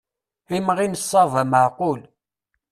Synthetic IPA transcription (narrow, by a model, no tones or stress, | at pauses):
imʁinəsˤːɑðˤæməʕqʊl